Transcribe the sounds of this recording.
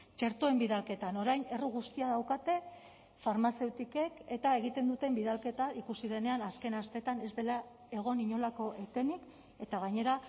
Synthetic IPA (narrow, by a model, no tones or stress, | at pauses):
t͡ʃe̞ɾt̪o̞e̞mbiðalke̞t̪ano̞ɾajne̞ruɣ̞ust̪iaðawkat̪e̞ | faɾmase̞wt̪ike̞ke̞t̪ae̞ɣ̞it̪e̞nd̪ut̪e̞mbiðalke̞t̪aikusið̞e̞ne̞anaske̞nast̪e̞t̪ane̞zd̪e̞la | e̞ɣ̞o̞niɲo̞lako̞ʔe̞t̪e̞nik | e̞t̪aɣ̞aɲe̞ɾa